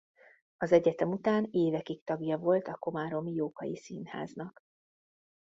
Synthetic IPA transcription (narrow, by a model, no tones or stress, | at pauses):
ɒzɛɟɛt̪ɛmut̪aːneːvɛkikt̪ɒɡjɒvo̞lt̪ɒko̞maɾo̞mijoːkɒjisiːnha̰ːznɒk